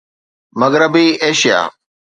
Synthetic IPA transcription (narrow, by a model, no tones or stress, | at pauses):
mɐɣɾəbiːeːʃija̰ː